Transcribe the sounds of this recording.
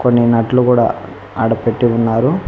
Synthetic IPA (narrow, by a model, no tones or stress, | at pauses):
konːinɐʈlukuːɽa̰ː | ɐɽɐpeʈːiunːaːɾu